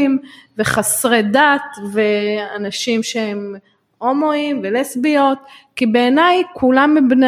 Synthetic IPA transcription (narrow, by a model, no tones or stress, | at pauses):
mveχasʁed̪at̪veanaʃimʃehem | omoimvelesbio̞t̪̚kibeːnajkʰulamːibne